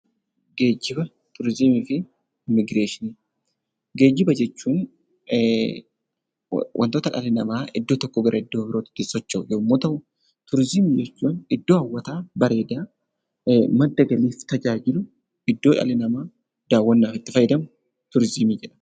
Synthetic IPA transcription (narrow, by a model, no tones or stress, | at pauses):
ɡe̞ːd͡ʒːɪbɐ | t̪ʰʊɾzɪmiːfɪ | ɪmɪɡɾe̞ːʃɪni | ɡe̞ːd͡ʒːɪbɐd͡ʒɛt͡ʃːuːn | wʔɐ̰nt̪oːt̪ɐᶑɐlɪnɐmaːɪd̪ːoːt̪ɔkːoːɡɐɾʔɐɪd̪ːoːbɪɾoːt̪ɪ̥d̪ɪsɔt͡ʃːɐjɛmːoːt̪ɐwʊ | t̪ʊɾzɪmiːd͡ʒɛt͡ʃːuːnɪd̪ːoːɐwːɐt̪aːbɐɾe̞ːd̪aː | mɐd̪ːɐɡɐliːft̪ɐd͡ʒaːd͡ʒɪlʊ | ɪd̪ːoːᶑɐ̰lɪnɐmaː | d̪̥aːwːɐnːaːfɪt̪ːɪfɐjːɪd̪ɐm | t̪ʊɾzɪmiːd͡ʒɛᶑɐ̥